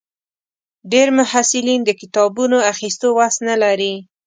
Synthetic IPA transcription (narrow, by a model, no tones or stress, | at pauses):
ɖeɾmʊhasɪlind̪əkɪt̪ɑbunoaxist̪owasnalaɾi